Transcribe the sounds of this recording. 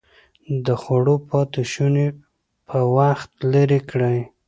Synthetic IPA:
d̪əxaɽopɑt̪ɪʃune | pʰəwaxt̪ləɾekɽəj

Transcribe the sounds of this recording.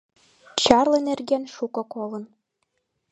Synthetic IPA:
t͡ɕɑrlɤ̆nerɡenʃukɤ̆kolɤn

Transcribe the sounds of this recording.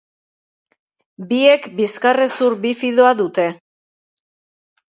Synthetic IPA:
bie̞kbiskaresuɾbifiðoaðut̪e̞

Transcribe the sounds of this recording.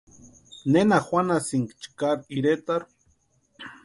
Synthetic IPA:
nenaxʷanasiŋkt͡ʃkaɾiɾet̪aɾ

